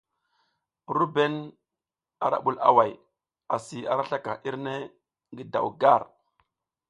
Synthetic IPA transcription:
ɾu˦be˦n | a˨ɾa̰˨ɓu˦la̰˨wa˨j | a˨si˨a˨ɾa˦ɬa˦ka˨ʔi˦ɾne˦ | ŋɡi˦da̰˨wɡa˦˨ɾ

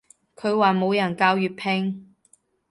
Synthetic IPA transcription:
kʰɵ˨˧ɥwaː˨mo˨˧wjɐ˨˩nkaː˧wjyː˨t̚pʰɛ˥ŋ

